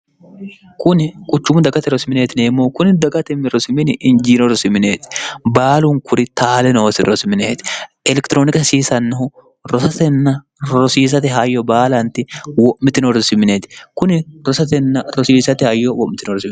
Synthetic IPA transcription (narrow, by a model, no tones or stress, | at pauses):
kʊnɪkʼʊt͡ʃːʊmʊd̪ɐɡɐt̪ɛɾɔsɪmɪneːt̪ɪneːmːoːkʊnɪd̪ɐɡɐt̪ɛmːɪɾɔsɪmɪnɪʔɪnd͡ʒiːnɔɾɔsɪmɪneːt̪ɪ̥baːlʊŋkʊɾɪt̪aːlɛnɔwɔsɪɾɔsɪmɪneːt̪ɪ̥ | ɛlɛkt̪ɪɾoːnɪkɐsiːsɐnːɐɦʊ | ɾɔsɐt̪ɛnːɐ | ɾɔsiːs̬ɐt̪ɪɦɐjːɔbaːlɐnt̪ɪwɔʔmɪt̪ɪnɔɾɔsɪmɪneːt̪ɪ̥kʊnɪɾɔsɐt̪ɛnːɐɾɔsiːsɐt̪ɪhɐjːɔwɔʔmɪt̪ɪnɔɾɔsɪm